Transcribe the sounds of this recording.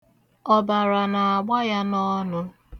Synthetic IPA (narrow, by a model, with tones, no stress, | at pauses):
ɔ˦ba˨ɾa˨na˨a˨ɡ͡ba˦ja˦nɔ˦nʊ˦